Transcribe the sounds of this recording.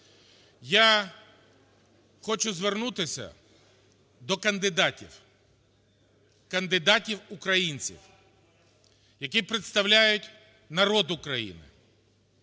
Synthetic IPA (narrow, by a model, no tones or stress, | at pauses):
ja | xɔt͡ʃʊzʋernut̪ɪsʲɐ̰ | d̪ɔkɐnd̪ɪd̪atʲḭw | kɐnd̪ɪd̪atʲiwʊkɾɐjinʲt͡sʲḭw | jɐkʲipɾet̪st̪ɐwlʲajʊtʲ | nɐɾɔd̪ʊkɾɐjḭnɪ̰